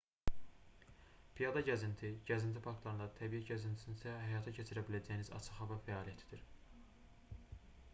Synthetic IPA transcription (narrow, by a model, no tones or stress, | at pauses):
pʰijɑd̪ɑɟæzint̪ʰiɟæzint̪ʰipʰɑkt̪lˠɑɾɯnd̪ɑt̪ʰæbijæɟæzint̪ʰi̥sinisæhæjɑːt̪ʰɑcʰet͡ʃʰiɾæbilæd͡ʒæjinizɑ̰t͡ʃʰɯχɑvæfæɑːlijæt̪ʰi̥d̪iɾ